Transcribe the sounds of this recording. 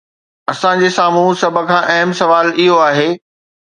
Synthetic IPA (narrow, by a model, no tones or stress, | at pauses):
ɐsãd͡ʑeːsaːm̤ũsɐb̆ʱkʰãːʔɐɦəmsɐʋaːlɪɦoaːɦeː